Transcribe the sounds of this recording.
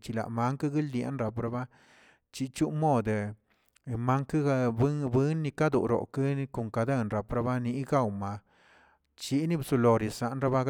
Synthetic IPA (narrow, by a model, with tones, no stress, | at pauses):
t͡ʃi˧la̰˨ma˧˦ŋka˦ɡi˦ld̪ja̰˦nɾa˨p̬ɾa˧ba˦ | t͡ʃi˧t͡ʃu˦mo˦˨d̪ | ma˦ŋka˦˧bbɨ˦nːi˧ka˦d̪u˨ɾo̰˨ka˦˧ko˨ŋka˧d̪a˦˧˨nɾa˨pɾa˧˦ba˦ni˧˦ɡa˦˨wma˨ | t͡ʃi˧˦ni˦bsu˧lo˨ɾi˨sa˨ʔnɾa˦ba˦